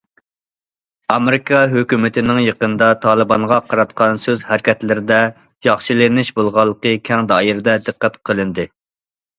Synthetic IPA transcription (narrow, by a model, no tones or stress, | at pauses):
ɑmeɾɪkʰɑɦøkʲymɪt̪ʰɪnɪŋjeqənd̪ɑt̪ʰɑːlˠɨbɑɴʁɑqʰɑɾɑt̪qʰɑnsøzhæɾkʲɛt̪lɪɾɪd̪ɛ | jɑχʃilɪnɪʃbolˠʁɑlˠːəqəkʲʰɛŋd̪ɑːjiɾɪd̪ɛd̪ɨqːæt̪qʰəlˠɨnd̪ɨ